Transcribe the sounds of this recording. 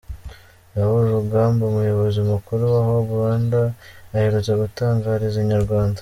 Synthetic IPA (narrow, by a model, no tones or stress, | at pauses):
aβuɾɾuɡaːmbomujo̞βo̞ziumukuɾuwaɦoβuɾaːndaːheɾut͡saɡutaːŋɡaːɾizeɲaɾɡwaːnda